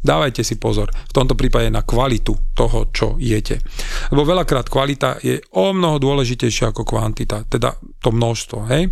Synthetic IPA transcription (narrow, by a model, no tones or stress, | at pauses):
d̪aːʋajcɛsipɔzɔɾft̪ɔmt̪ɔpɾiːpaɟɛnakʋalit̪ut̪ɔɦɔ̰t͡ʃɔ̰jɛcɛlɛbɔʋɛʎakɾaːt̪kʋalit̪a̰jɛɔmnɔɦɔd̪ʊɔlɛʒicɛjʃɪaakɔkʋa̰nt̪it̪at̪ɛd̪a̰ | t̪ɔmnɔʃst̪ʋɔɦɛj